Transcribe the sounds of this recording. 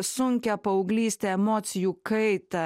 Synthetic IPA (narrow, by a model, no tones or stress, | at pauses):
suŋkʲjapɐwɡliːst̪ɛːmɔːt̪sijukɛjt̪a